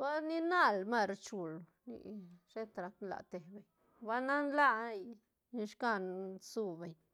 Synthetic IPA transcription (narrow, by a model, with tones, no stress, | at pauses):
ba˦ni˦na˦lma˦˧ɾt͡ʃu˧l | nḭ˧ʂe˦t̪ɾa˧t̪la̰˨t̪e˨be˨ɲ | ba˦na˦nla˦˧˦j | ni˧ʃka˦˧nsu˧be˨ɲ